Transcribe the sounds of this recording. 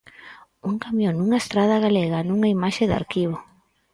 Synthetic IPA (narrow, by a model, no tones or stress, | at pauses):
uŋkamjoŋnuŋaest̪ɾaðɐɣaleɣanuŋaimaʃeða̰ɾkiβo